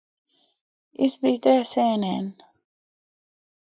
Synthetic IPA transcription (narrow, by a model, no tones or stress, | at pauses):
isbit̪ɾeːseːnḛːn